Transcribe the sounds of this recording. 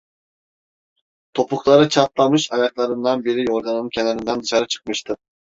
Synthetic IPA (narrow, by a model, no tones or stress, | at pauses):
t̪ʰopʊχlˠɑɾɯt͡ʃʰɑt̪lˠɑmɯʃɑjɑklˠɑɾɯnd̪ɑnbɪɾɪjoɾɡ̪ɑnɨnɨŋkʲʰɛnɛɾind̪ɛnd̪ɯʃɑɾɯt͡ʃʰɨ̥q̚mɯʃt̪ɨ